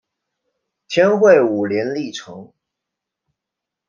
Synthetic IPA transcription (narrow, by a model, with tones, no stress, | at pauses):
t̪ʰjɛ˥nxwe˥˩ɪu˨˩ljɛ˧˥nli˥˩ʈ͡ʂʰɤ˧˥˦ŋ